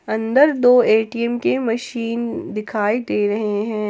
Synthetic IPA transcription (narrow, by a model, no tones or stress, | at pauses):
ɐ̃nd̪əɾd̪oːeːʈiɛmkemɐʃiːnd̪ɪkʰaːid̪eːɾɐɦeɦɛ̃ː